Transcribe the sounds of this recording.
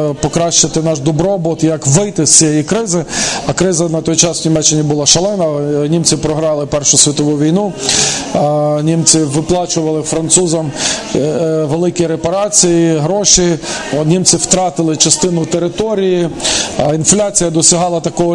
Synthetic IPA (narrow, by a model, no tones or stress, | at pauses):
pɔkɾɑʃt͡ʃɪt̪ɪnɑʒd̪ɔbɾɔbɔt̪jɐkʋɪjt̪ɪst͡sʲijɛjikɾɪzɪɐkɾɪzɐnɐt̪ɔjt͡ʃɑsnʲimɛt͡ʃːɪnʲibʊlˠɑʃɐlˠɛnɐnʲimt͡sʲɪpɾɔɦɾɑlˠɪpɛrʃʊsʲʋʲit̪ɔʋuʋʲijnu | nʲimt͡sʲɪʋɪplˠɑt͡ʃʊʋɐlˠɪfɾɐnt̪suzɐm | ʋelˠɪkʲiɾepɐɾɑt͡sʲijiɦɾɔʃinʲimt͡sʲɪwt̪ɾɑt̪ɪlˠɪt͡ʃɐst̪ɪnʊt̪eɾɪt̪ɔɾʲiji | inflʲat͡sʲijɐd̪ɔsʲɐɦɑlˠɐt̪ɐkɔɦɔ